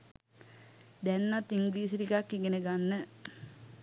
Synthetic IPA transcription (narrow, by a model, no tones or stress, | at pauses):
d̪ænːat̪ːiŋɡliːs̬iɾikakːiŋɡeneɡanːə